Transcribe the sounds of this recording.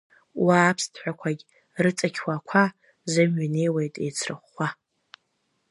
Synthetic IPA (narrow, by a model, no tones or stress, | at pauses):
waːpʰstʰħʷᶣakʷʰaɡʲʼ | rɨt͡sʼakʲʰwakʷʰa | zɨmɥane̞jwejtʼejt͡sʰrɨ̰χːʷa